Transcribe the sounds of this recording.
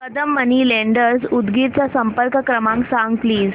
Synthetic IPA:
kəd̪əmːəniːlẽɳɖəɾsud̪ɡiɾt͡ɕjasəmpəɾkəkɾəmãŋksãŋɡ̚pliːz

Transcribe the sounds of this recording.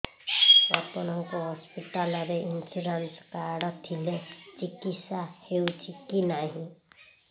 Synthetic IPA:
ɔt̪ɔnɔŋkoɦɔspiʈalɔɾeʔinsuɾanskaɽʌt̪ʰilet͡ʃikit̪sahewt͡ʃʰikinaɦĩ

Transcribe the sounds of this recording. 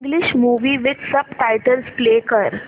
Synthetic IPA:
ŋɡliɕmuʋiːʋɪd̪səbʈajʈəlsplekəɾ

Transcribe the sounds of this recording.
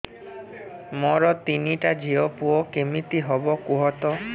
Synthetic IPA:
mɔɾɔt̪iniʈad͡ʒiɔpuɔkemit̪iɦɔbɔkuɦɔt̪ɔ

